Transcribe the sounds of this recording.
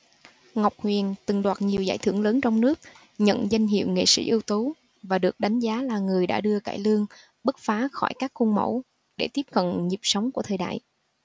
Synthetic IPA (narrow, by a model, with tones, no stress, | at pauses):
ŋa˨˩wk͡p̚hwi˨˩ənt̪ɨ˨˩ŋɗwaː˨˩t̚ɲi˨˩əwzaː˧˩jt̪ʰɨ˧˩əŋləː˨˦nt͡ɕɔ˧wŋ͡mnɨ˦˥ək̚ | ɲə̰˧˨nza˧jŋ̟ɦḭ˧˨wŋḛ˧˨sḭ˧˥ʔi˧əwt̪u˨˦ | vaː˨˩ɗɨ˨˩ək̚ɗa˨˦jŋ̟zaː˨˦laː˨˩ŋɨ˨˩əjɗa̰ː˧˥ɗɨ˧əka̰ː˧˩jlɨ˧əŋ | ɓɨ˦˥t̚faː˨˦xɔ˧˩jkaː˦˥kːu˧nmə̰˧˥˩w | ɗe˧˩t̪i˦˥p̚kə̰˧˨nɲi˨˩p̚sə˨˦wŋ͡mku˧˩ət̪ʰəː˨˩jɗa̰ː˧˨j